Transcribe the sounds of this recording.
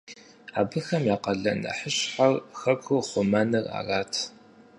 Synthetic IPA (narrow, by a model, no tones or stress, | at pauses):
aːbɨxɐmjaːqɐɮɐ̰nɐ̰ħəɕħarxɐkʷʰuχʷʊmɐnɨra̰ːraːtʰ